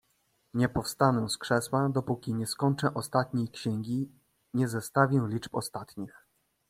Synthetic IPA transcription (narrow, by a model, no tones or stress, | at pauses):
ɲɛpɔfst̪anɔ̃skʂɛswad̪ɔpukʲiɲɛskɔɲt͡ʂɛʔɔst̪at̪ɲejkɕɛŋɡʲi | ɲɛzɛst̪avʲjɛ̃lʲit͡ʂpɔ̰st̪at̪ɲix